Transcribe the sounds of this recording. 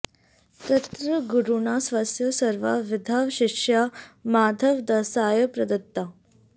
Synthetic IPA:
t̪ɐt̪ɾɐɡuɾuɳaːsʋaːsjɐsɐɾʋa̰ʋɪd̪ʱaːʋʃikʂjaːmaːd̪ʱɐʋd̪ɐsaːjɐpɾɐd̪ɐt̪ːa

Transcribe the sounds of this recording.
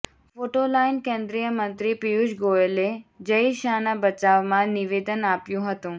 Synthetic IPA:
foːʈolainkẽːnd̪ɾijəmə̃nt̪ɾipijuʃɡoeled͡ʒəiʃaːnabət͡ɕaʋmãniʋeːd̪ənapjũɦət̪ũː

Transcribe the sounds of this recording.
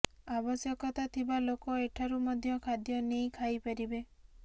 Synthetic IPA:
abɔsjɔkɔt̪at̪ʰibalokɔeʈʰaɾumɔd̪ʱjɔkʰad̪jɔnejkʰajpaɾibe

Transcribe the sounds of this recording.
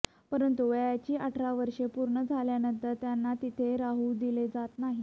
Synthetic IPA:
pəɾənt̪uʋəjat͡ɕiːʔaʈʰɾaʋəɾʂepuɾɳəd͡zʱaljanənt̪əɾt̪janːat̪it̪ʰeɾaɦuːd̪iled͡zat̪naɦi

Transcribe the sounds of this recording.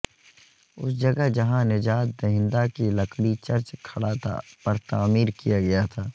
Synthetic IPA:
ʊ̰sd͡ʒɐɡəɦd͡ʒɐɦãnɪd͡ʒaːt̪̚d̪ɐɦɪ̃nd̪akilɐkɽit͡ʃɐɾt͡ʃkʰɐɽat̪ʰa̰pɐɾt̪aːmiːɾkijaɡɐjat̪ʰaː

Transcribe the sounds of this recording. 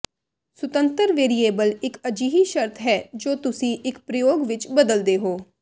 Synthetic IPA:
sʊt̪ənt̪əɾʋeːɾieːbəlɪkəd͡ʒiːɦiːʃəɾt̪ʰɦɛːd͡ʒoːt̪ʊsĩːʔɪkpɾəjoːɡʋɪt͡ʃbəd̪əld̪eːɦoː

